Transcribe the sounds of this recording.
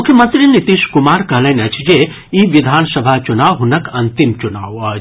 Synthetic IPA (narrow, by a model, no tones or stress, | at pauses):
mʊkʰjəmɐnt̪ɾinit̪iʃkumaːɾkɐɦlɐnɐt͡ʃʰd͡ʒe | iʋid̪ʱaːnsɐbʱat͡ʃunaːwɦunɐkɐnt̪imt͡ʃuna̰ːwɐ